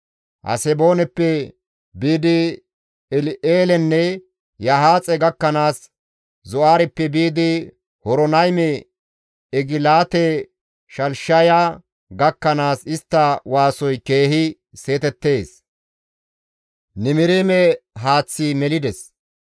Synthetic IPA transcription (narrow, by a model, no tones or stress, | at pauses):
hɐ̰sɛbo̞ːnɛpːɛ | biːd̪ɪ | ɛlɪʔeːlɛnːɛ | jɐɦaːt͡sʼɛɡɐkːɐnaːs | zɔʔaːɾɛpːɛbiːd̪ɪ | hɔɾɔnɐjmɛ | ɛɡɪlaːt̪ɛ | ʃɐlʃɐja | ɡɐkːɐnaːsɪst̪ːɐwaːsɔjke̞ːɦɪ | se̞ːt̪ɛt̪ːe̞ːs | nɪmɪɾeːmɛɦaːt͡sːimɛlɪd̪ɛs